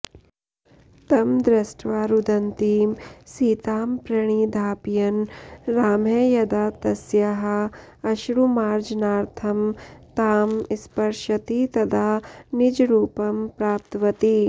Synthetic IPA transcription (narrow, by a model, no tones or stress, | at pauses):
t̪ɐmd̪ɾɐsʈʋaːɾud̪ɐnt̪iːmsiːt̪aːmpɾɐɳ̃iːd̪ʱaːpjɐnɾaːmejɐd̪aːt̪ɐsjɐɦɐ̆ | ɐʃɾumaːɾd͡ʒnaːɾt̪ʰɐmt̪aːmispɐɾʃɐt̪it̪ɐd̪ʱaːnid͡ʒɾuːpɐmpɾaːp̚t̪ʋɐt̪i